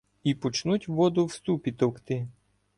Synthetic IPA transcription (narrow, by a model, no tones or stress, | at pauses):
ipɔt͡ʃnutʲʋɔd̪ʊwst̪upʲit̪ɔkt̪ɪ